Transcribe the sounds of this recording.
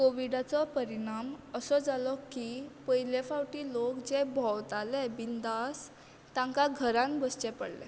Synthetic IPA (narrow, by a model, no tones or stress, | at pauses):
koʋiɽat͡sɔpəɾiɽ̃aməsɔd͡zalɔkipəjlefawʈiːlokd͡zebʱɔwt̪alɛbind̪as | t̪ãŋkaɡʱəɾãnbəst͡ɕɛpəɽlɛ̰